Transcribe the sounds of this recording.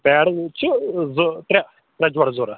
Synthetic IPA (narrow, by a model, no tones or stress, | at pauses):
pɛːɽt͡ʃzot̪ɾʲa | t̪ɾʲad͡ʒʋaːɽzoːɾaː